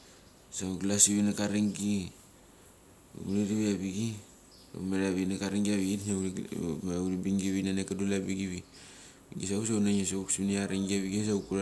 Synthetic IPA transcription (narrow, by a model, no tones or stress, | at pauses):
sauɡlasiβinakaɾiŋɡi | ṵkuniɾiβiaβiɡi | sa̰umeɾaβinakaɾiŋɡiaβiɡitna | auɾibiŋɡiβinanekadulabiɡiβi | bḭɡis̬aus̬aunaɲesauksiniaɾiŋɡiaβiɡes̬aukuɾa